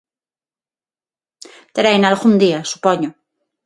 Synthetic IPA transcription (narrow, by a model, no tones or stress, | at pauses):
t̪ɾejnalɣund̪iasu̥poɲo